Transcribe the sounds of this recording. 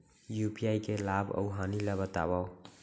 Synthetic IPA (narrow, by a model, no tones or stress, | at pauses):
jupiajkelabə̰ʊɦanilɛbət̪a̰baw